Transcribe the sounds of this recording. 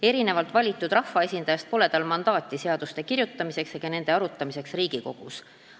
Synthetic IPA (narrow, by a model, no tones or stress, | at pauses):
e̞ɾine̞vɑlt̪vɑlʲit̪ːˑud̪rɑhːɑe̞sʲind̪̥ɑjɑst̪̚po̞le̞d̪̥ɑlmɑnd̪̥ɑːt̪ːˑise̞ɑd̪̥ust̪e̞kirjut̪ːˑɑmise̞ksjeɡ̥ɑne̞nd̪̥e̞ɑɾut̪ːˑɑmise̞ksriːɡ̥iko̞ɡ̥us